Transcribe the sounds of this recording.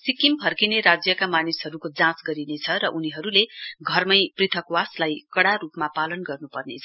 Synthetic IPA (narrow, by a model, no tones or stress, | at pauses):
sikimpʰʌrkineɾad͡zjʌkamanisɦʌɾukod͡zãsɡʌɾinet͡sʰʌɾʌʔuniɦʌɾuleɡʱʌrmʌjprit̪ʰʌkwaslajkʌɽaɾupmapalʌnɡʌrnupʌrnḛt͡sʰʌ